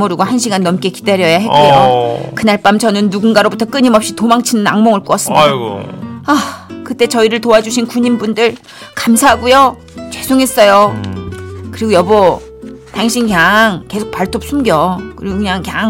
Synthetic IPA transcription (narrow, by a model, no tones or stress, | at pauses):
moɾuɡohanɕʰiɡanːʌmk͈e̞ki̥daɾjʌjaɦe̞kejokɯnaɭp͈amt͡ɕʌnɯnːuɡunɡaɾobutʰʌk͈ɯɲimʌp̚ɕ͈itomaŋt͡ɕʰinɯna̰ŋmoŋɯɭk͈oʌs͈ɯmɡoakɯt͈e̞t͡ɕʌiɾɯɭtoad͡ʑuɕʰinkuɲimbundɯɭ | kamsʰaɦaɡujo | t͡ɕe̞sʰoŋes͈ʌjo | kɯɾiɡojʌbʌ | taŋɕʰinkjaŋke̞sʰok̚paɭtʰop̚s͈ʰumɡjʌkɯɾiɡokɯɲaŋkjaŋ